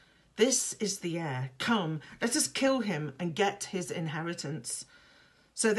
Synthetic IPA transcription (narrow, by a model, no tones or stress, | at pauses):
ðɪsɨzðiɛɹkʰʌ̃mlɛɾʌskʰɪlˠɪ̃mɨ̃nɡɛthɪzɪ̰̃nɦɛɹɨɾɨ̃ns | soʊð